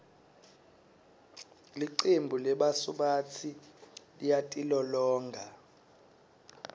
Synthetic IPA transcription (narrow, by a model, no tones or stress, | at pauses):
liǀembʱulɛɓasuɓat͡sʰilijatʼilɔlɔːŋɡʱa